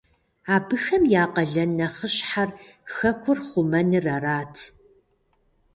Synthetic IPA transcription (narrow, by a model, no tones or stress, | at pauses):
aːbɨxɐmjaːqɐɮɐnːɐχəɕħarxɐkʷʰʊrχʷʊmɐnɨrɐraːtʰ